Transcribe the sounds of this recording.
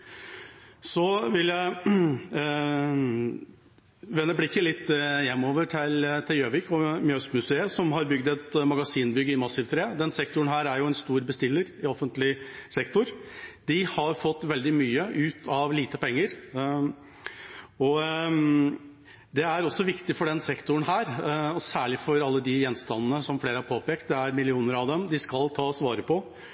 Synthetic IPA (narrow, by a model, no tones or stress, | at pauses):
sɔʋɪljæɪ | ʋɛnːəblɪkːəlɪt̪ːjɛmːoːʋəʈʰɪlt̪ʰɪljøːʋɪkʰɔmjœst̪mʉseːəsɔmɦɑɾbʏɡd̪ɛt̪mɑɡɑsiːnbʏɡːəɪmɑsːɪʋt̪ʰɾeːd̪ɛnsɛkt̪ʊəɳɦæːɾæɾjʊɛnst̪uːɾbəst̪ɪlːəɾɪɔfənt̪lɪsɛkt̪ʊɾd̪ɪhɑɾfɔt̪ːʋɛld̪ɪmyːəʔʉːt̪ʰɑʋliːt̪əpɛŋːəɾ | ɔ | d̪ɛæɾɔsːɔʋɪkt̪ɪfɔɖɛnsɛkt̪ʊəɳ̩ɦæːɾɔsæːɭɪfɔɾɑlːəd̪ɪjɛnst̪ɑnːənəsɔmfleːɾəhɑɾpʰoːpeːkt̪̚d̪ɛæɾmɪlɪuːnəɾɑʋd̪ɛmd̪ɪskɑlt̪ʰɑːsʋɑːɾəpʰɔ